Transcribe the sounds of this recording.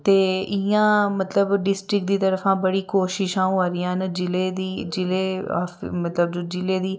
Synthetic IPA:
t̪eːɪjãːmət̪ləbɖɪsʈɾɪk̚d̪iːt̪əɾəfʰãːbəɽiːkoːʃɪʃãːũaːɾɪjãːnd͡ʒɪleːd̪iːd͡ʒɪleːa̰ːfmət̪ləbd͡ʒoːd͡ʒɪleːd̪iː

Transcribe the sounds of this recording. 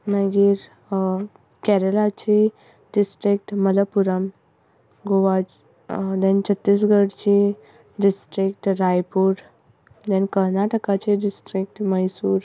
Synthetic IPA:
nəɡiːɾ | kɛɾəlat͡ɕi | ɖisʈɾik̚ʈmələpuɾəm | ɡoʋa | d̪ɛ̃nt͡ɕʰət̪ːis̬ɡəɽt͡ɕi | ɖisʈɾikʈɾajpuːɾ | d̪ɛ̃nkəɾnaʈəkat͡ɕiɖisʈɾik̚ʈməjsuːɾ

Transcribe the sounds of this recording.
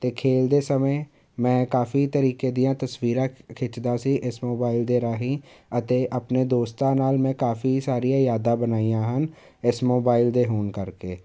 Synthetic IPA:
t̪eːkʰeːld̪eːsəme | mɛ̃ːkaːfit̪əɾiːkeːd̪ɪjãːt̪əswiːɾãːkʰɪt͡ʃd̪aːsiːʔɪsmoːbaːɪld̪eːɾaːɦĩːət̪eːʔəpneːd̪oːst̪ãːnaːlmɛ̃ːkaːfiːsaːɾijãːjaːd̪ãːbənaːijãːɦən | ɪsmoːbaːɪld̪eːɦoːnkəɾkeː

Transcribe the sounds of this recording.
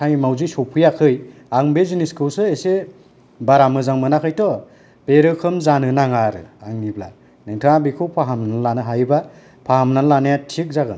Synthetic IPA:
tʰajmawzisɔwpʰɯjakʰɯjaŋbeziniskʰɯwsɯese | baɾamɯzaŋmɯnakʰɯjtɔ | b̥eɾɯkʰɯmzanɯnaŋaɾɯ̰aŋnibla̰ | nɯŋtʰɯŋabikʰɯwpʰaɦamnanlanɯɦajba | pʰahamnanlanijatʰik̚zaɡɯn

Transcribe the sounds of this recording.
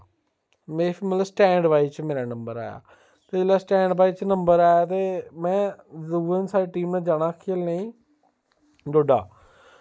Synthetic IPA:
mẽːpʰimət̪ləsʈɛ̃ːɳɖʋaːit͡ʃmeːɾaːnəmbəɾa̰ːja̰ː | t̪eːlaːsʈɛ̃ːɳɖbaːiːt͡ʃnəmbəɾaːjaːt̪eːmɛ̃ːzuːʋənsaːɾeːʈiːmnãːd͡ʒaːnaːkʰɪəlneːĩː | d̪oːɖa̰ː

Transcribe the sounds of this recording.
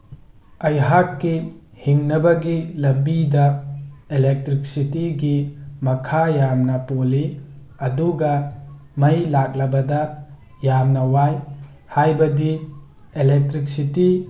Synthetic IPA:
ɐjɦakːi | hiŋnɐbɐɡilɐmbidɐelek̚tɾik̚sitiɡimɐkʰajamnɐpoli | ɐduɡɐ | mɐjlak̚lɐbɐdɐ | jamnɐwaj | hajbɐdi | elek̚tɾik̚siti

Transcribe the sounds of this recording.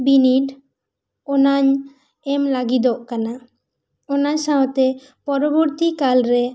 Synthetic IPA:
biniɖ | ɔnaɲ | ɛmlaɡid̪ɔʔkana | ɔnaɲsaɔt̪ɛ | pɔɾɔbɔɾt̪ikalɾɛ

